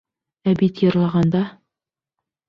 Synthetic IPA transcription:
æbit̪jɤ̆ɾlˠɑʁɑnd̪ɑ

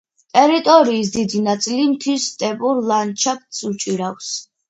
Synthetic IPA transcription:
t̪ʼɛɾit̪ʼɔɾiːs̬d̪id̪inat̪sʼilimt̪ʰwist̪ʼɛpʼuɾlˠant͡ʃʰap̚ʰt̪sut͡ʃʼiɾafs

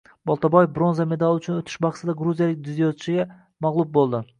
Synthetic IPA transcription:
bɒlˠt̪ʰabojefbɾonzame̞d̪alˠʊt͡ʃʰʊnot̪ʰɪ̥ʃbɑχsʰɪd̪aɡɾuzijalɪk̚ʲd̪ʊzjɒt̪ʰʃɪɡʲa | mɑʁlˠʊb̚bolˠd̪ɪ

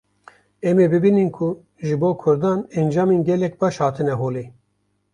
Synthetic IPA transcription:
ɛmeːbɨbininkʰʊ | ʒɨboːkʰʊɾd̪ɑːnɛnd͡ʒɑːmenɡɛlɛk̚bɑːʃhɑːt̪ʰɨnɛɦoːleː

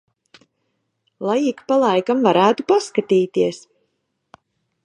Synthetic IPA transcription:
lˠajikpalˠajkamvaɾæːt̪upaskat̪iːt̪iɛs

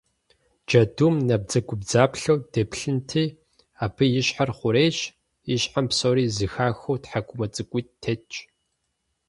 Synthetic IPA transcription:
d͡ʒɐdumnɐb̚d͡zɐɡʷʼʊbd͡zaːpɬɐwd̥ɐpɬɨntʰiː | aːpʰɨjɪɕħarχʷʊɾeːɕ | ɪɕħampsoɾiːzɨxaːxowtħakʷʼʊmɐt͡sʼɨkʷʼʊːttʰet͡ʃʼ

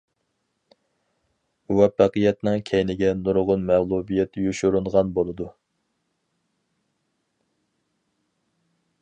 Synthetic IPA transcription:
wɛpːæqəjɛt̪nɨŋkʲʰɛjnɪɡʲɛnuɾʁʊnmæʁlˠubijɛt̪ʰjuʃuɾunʁɑnbolˠɨd̪u

